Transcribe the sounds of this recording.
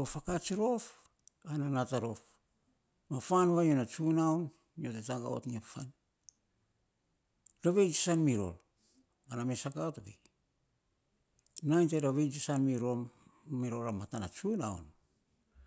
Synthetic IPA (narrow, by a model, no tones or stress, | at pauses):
ofakat͡ʃiɾo̞f | ananataɾo̞f | mafanβajonat͡ʃunawn | iotetaŋɡa̰o̰tniapfan | ɾaβejd͡ʒisanmiɾo̞̰l | anamesakatoɡḛ | najnteɾaβejd͡ʒisanmiɾomːiɾoɾamatana̰t͡ʃuna̰w̰n